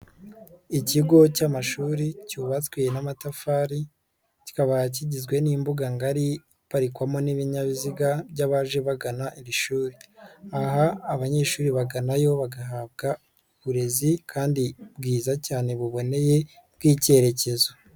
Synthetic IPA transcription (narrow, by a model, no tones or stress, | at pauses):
iciɡo̞camaʃuːɾicuːβat͡swejenamatafaɾi | ci̥kaβajc̬iɟizɡwe̞niːmbuɡaŋɡaɾi | βaɾikwamo̞niβiɲaβiziɡabɟaβaːʒe̞βaɡanaʔiɾiʃuːɾiaɦaːβaɲe̞ːʃuːɾiβaɡanajo̞βaɡaɦaːbɡa | uβuɾe̞zikʰaːndibɡiːzacaːne̞βuβo̞ne̞je̞ | bɡiːce̞ɾe̞ce̞zo